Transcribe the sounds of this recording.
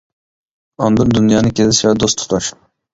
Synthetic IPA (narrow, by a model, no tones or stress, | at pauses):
ɑnd̪ɨɾd̪unjɑːnɨkʲezɪʃvɛd̪ost̪ʰu̥t̪ʰɑʃ